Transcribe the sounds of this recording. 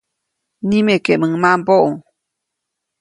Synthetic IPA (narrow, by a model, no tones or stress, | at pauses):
nimekeməŋmamboʔoŋ